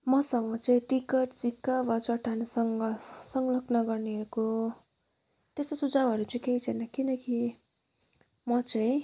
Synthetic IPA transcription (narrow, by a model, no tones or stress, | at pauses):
mʌsʌŋɡʌt͡sʌĩʈikʌʈt͡sikːabʌt͡sʌʈʰanʌsʌŋɡʌsʌŋɡʌlʌknʌɡʌrneɦʌɾuko | t̪est̪osud͡zabʱʌɾut͡sʌĩkeit͡sʰʌnʌkinʌki | mʌt͡sʌĩ